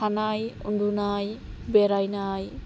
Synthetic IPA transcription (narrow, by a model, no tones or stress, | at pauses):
anajṵndunajbɛɾajnaj